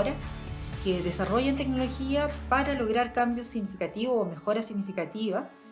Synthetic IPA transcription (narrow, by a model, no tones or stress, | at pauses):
ɾakeðe̞saro̞ʝant̪e̞kno̞lo̞xiapaɾalo̞ɣɾaɾkambjosːiɣnifikat̪iβoome̞xo̞ɾasiɣnifikat̪iβa